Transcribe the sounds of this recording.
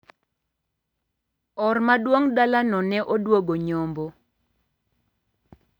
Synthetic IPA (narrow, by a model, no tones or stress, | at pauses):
ɔrmadwoŋdalanɔnɛʔodwoɡoɲombo